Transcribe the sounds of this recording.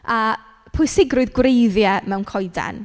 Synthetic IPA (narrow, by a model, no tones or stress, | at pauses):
a | pʰʊjsɪɡrʊɨðɡwrejðjɛmɛwnkʰɔjda̰n